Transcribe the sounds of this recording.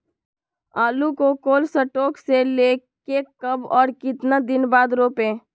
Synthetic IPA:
aːlukokoːlsəʈoːkseleː | kekəbɔːɾkɪt̪nad̪ɪnbaːd̪ɾoːpẽː

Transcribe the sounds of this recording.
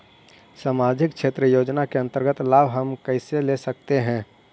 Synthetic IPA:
saːmaːd͡ʒʱɪkt͡ʃʃʰeːt̪ɾəjoːd͡ʒnakeɐ̃nt̪əɾɡət̪laːbʱɦəmkəɪselesək̚t̪eɦɛ̃ː

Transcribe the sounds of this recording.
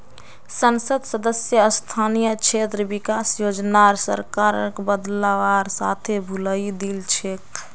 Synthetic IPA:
sənsəd̪səd̪əsjəːst̪ʰanijət͡ʃʰet̪ɾəbikasjod͡ʒnaɾsə̰ɾkaɾə̰kbəd̪laʋaɾsa̰t̪ʰebʱuləid̪ilt͡ʃʰek

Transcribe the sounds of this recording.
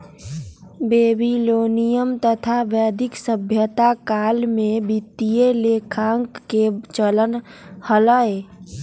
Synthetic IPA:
beːbiloːnijəmt̪ət̪ʰaʋjɛːd̪ʱɪksəbʱjət̪akaːlmẽbit̪ːijeleːkʰaːŋkːet͡ʃələnhələe

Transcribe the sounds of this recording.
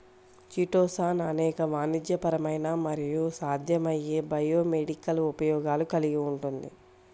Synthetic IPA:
t͡ʃiʈoːsaːnɐnɛːkɐʋaːnid͡ʒ̪jɐpɐɾɐmɐjnamɐɾijusaːd̪ʱjɐmɐjeːbɐjoːmeɽikɐlupɐjɔːɡaːlukɐliɡiuɳʈund̪ḭ

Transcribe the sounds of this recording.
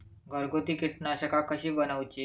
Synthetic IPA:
ɡəɾɡot̪iːkiʈnaɕəkakəɕiːbənəʋt͡ɕi

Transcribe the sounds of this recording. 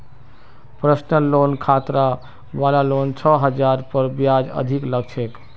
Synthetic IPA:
pɾəsnəlonkʰat̪ɾa | balalont͡ʃʰɔɦəd͡ʒaɾpəɾbjad͡ʒə̰d̪ʱikləɡ̚t͡ʃʰek

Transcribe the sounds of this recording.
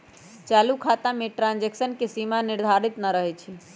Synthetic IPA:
t͡ʃalukʰat̪ameʈɾãnd͡ʒeksənkesimaniɾd̪ʱaɾit̪naɾəɦɛt͡ʃʰi

